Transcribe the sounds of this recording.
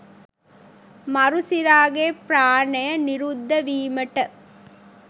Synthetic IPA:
mɐɾusiɾaːɡepɾaːnɐjəniɾud̪ːɐʋiːməʈə

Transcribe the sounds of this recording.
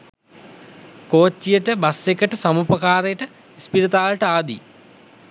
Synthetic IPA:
koːt͡ɕːijɐʈɨbɐsekʲːɐʈɨsɐmuːpɐkaːrɐjɐʈɨ | ispiɾɐt̪aːʋɐlɐʈɨaːd̪ḭ

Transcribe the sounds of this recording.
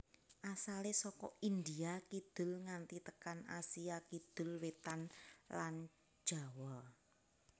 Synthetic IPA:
ʔasalesɔkɔ̰ind̪iakid̪̥ʊ̤lŋant̪it̪əkana̰siakid̪̥ʊ̤lwet̪anlan̥ | ʒ̥a̤wɔl

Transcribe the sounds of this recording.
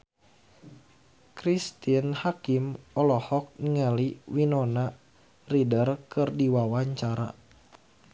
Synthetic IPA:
kɾist̪inhakimɔlɔhɔk̚niŋəliwinɔna | ridərkɨrdiwawaɲt͡ʃaɾa̰

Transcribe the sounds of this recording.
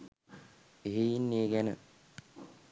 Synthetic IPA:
eɦejinːeːɡænə̰

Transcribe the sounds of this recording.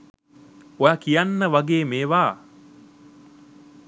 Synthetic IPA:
ojakijanːəʋɐɡeːmeːʋaː

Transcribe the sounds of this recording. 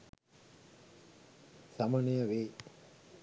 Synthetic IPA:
samənejəʋeː

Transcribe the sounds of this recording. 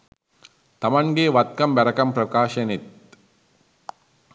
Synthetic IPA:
t̪ɐmɐŋɡeːʋɐt̪̚kɐmbɐɾɐkɐmpɾɐkaːʃɐnit̪

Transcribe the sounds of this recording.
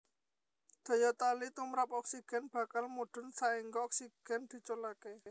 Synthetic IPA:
d̪̥ɔ̤jɔt̪alit̪umɾap̚ɔksiɡ̥ɛ̤nb̥ä̤kalmuɖ̥ʊ̤nsaiŋɡɔɔksiɡ̥ɛ̤nd̪̥i̤t͡ʃolake

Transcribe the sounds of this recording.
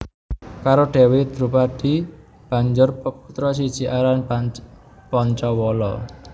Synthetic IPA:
kaɾoɖ̥ewɪd̪ɾupaɖ̥i̤ | b̥a̤ɲd͡ʒʊrpəput̪ɾɔsid̥ʒ̥i̤ʔaɾan | pɔɲt͡ʃɔwɔlɔ̰

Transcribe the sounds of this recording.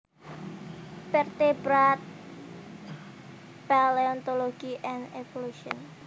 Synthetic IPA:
fɛrt̪ebɾat̪̚ | paleɔnt̪oloɡ̥iʔɛnevoluʃiɔn

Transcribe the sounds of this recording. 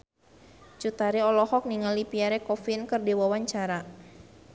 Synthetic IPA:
t͡ʃut̪aɾiɔlɔhɔk̚niŋalipiaɾɛkɔfinkɨrdiwawaɲt͡ʃaɾa

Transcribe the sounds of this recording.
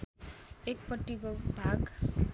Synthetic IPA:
ek̚pʌʈːikobʱaɡ

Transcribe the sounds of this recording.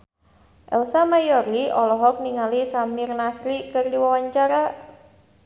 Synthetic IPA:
ʔɛlsamajɔɾiɔlɔɦɔk̚niŋalisamirnasɾikɨrdiwawaɲt͡ʃaɾa

